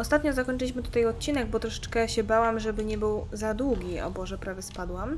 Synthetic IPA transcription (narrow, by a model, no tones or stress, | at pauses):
ɔst̪at̪ɲɔzakɔɲʲt͡ʂɘlʲiɕmɘt̪u̥t̪ajɔt̪̚t͡ɕinɛɡbɔt̪ɾɔʂɛ̥t͡ʂkɛɕɛbawamʐɛbɘɲɛbɘwzad̪wuɡʲiɔ̰bɔʐɛpɾavʲjɛspad̪wam